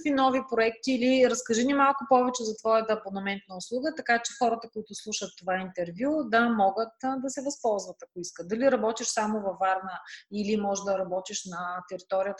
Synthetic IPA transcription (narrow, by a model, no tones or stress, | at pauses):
k̪vinɔvipɾoɛkt̪iːliɾɐskɐʒinimalˠkʊpɔvɛt͡ʃɛzɐt̪vɔjət̪ɐːponɐmɛnt̪̚nəʊslˠuɡət̪ɐkat͡ʃɛxɔɾət̪əkʊit̪ʊslˠuʃət̪ːovaint̪ɛɾvʲjud̪ɐmɔɡət̪d̪ɐsɛvɐspɔlˠzvɐt̪ɐkoiskəd̪ɐliɾɐbɔt̪iʃsamʊvɐvaɾnəilimɔʒd̪ɐɾɐbɔt̪iʃnɐt̪ɛɾit̪ɔɾijət̪